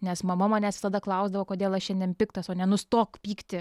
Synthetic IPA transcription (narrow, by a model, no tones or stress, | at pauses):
nʲɛsmɐmɐmɑːnʲæːsʲɪt̪ɑd̪ɐklˠɐʊzd̪ɐʋoːkoːd̪ʲeːlˠɐʃʃʲɛnd̪ʲeɛnpʲɪkt̪ɐsoːnʲɛnʊst̪oːkpʲiːkt̪ʲɪ